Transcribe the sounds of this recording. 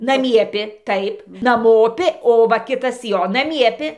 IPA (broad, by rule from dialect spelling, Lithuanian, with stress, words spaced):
nɐˈmʲiɛpʲɪ ˈtɐɪp nɐˈmoːpʲɪ oː ˈʋɐ ˈkʲɪtɐs ˈjoː nɐˈmʲiɛpʲɪ